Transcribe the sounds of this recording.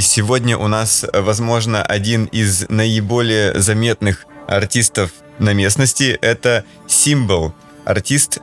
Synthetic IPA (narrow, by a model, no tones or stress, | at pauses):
sʲɪvodʲnʲəʔʊnasvɐzmo̞ʐnəʔɐdʲinɪznəɪbo̞lʲɪjəzɐmʲe̞t̪nɨxɐ̰rtʲist̪əf | nɐmʲe̞snəsʲtʲɪʔɛt̪ə | sʲimvəlˠ | ɐ̰rtʲist̪